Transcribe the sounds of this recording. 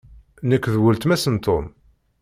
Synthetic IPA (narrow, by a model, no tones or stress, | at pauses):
nəkʷːðwəlt̪mæsənt̪ʰom